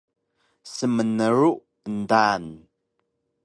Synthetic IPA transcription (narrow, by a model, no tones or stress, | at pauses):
səmənəruʔ | ndaːn